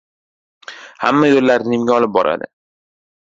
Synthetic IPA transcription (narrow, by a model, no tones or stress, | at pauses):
ha̰mːajolːaɾɪnɪmɡʲaɒlɪp̚bɒ̰ɾʔa̰d̪ɪ̰